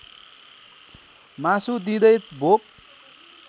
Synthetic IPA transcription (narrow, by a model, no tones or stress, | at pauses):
masud̪id̪ʌjt̪̚bʱok̚